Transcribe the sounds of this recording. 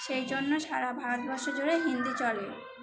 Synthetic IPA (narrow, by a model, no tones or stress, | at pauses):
ʃejd͡ʑonːoʃaɾabʱaot̪̚bʱaʃod͡ʑoɾeɦind̪it͡ɕɔle